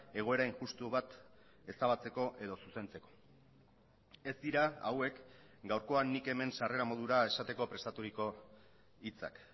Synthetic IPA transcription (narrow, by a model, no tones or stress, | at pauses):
e̞ɣ̞o̞e̞ɾainʝust̪uβat̪ | e̞st̪aβat͡se̞ko̞ʔe̞ð̞o̞suse̞nt͡se̞ko̞̥ | e̞zd̪iɾaawe̞k | ɡawɾko̞anːike̞me̞nsare̞ɾamo̞ð̞uɾae̞sat̪e̞ko̞pɾe̞st̪at̪uɾiko̞ | it͡sa̰k